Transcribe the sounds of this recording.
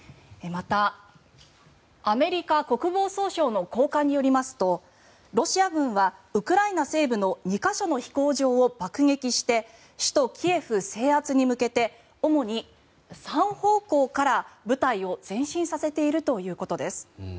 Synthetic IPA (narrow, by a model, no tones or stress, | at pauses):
mat̪a | me̞ɾʲikako̞kɯ̟bo̞ːso̞ːɕo̞ːno̞ko̞ːkaɲ̟ːijo̞ɾʲimasɨ̥t̪o̞ | ɾo̞ɕiaɡɯ̟̃ɰ̃βaɯ̟kɯ̟ɾainase̞ːbɯ̟no̞ɲ̟ikaɕo̞no̞çi̥ko̞ːʑo̞ːobakɯ̟ŋe̞kʲiɕi̥t̪e̞ | ɕi̥t̪o̞kʲie̞ɸɯ̟se̞ːat͡sɨɲ̟imɯ̟ke̞t̪e̞ | o̞mo̞ɲ̟i | sãɰ̃ho̞ːko̞ːkaɾabɯ̟t̪aio̞z̥ẽ̞ɰ̃ɕĩɰ̃sase̞t̪e̞iɾɯ̟t̪o̞jɯ̟ːko̞t̪o̞d̪e̞sɨ̥